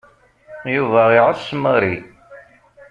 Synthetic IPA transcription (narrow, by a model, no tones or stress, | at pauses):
juvæiʁəsməɾi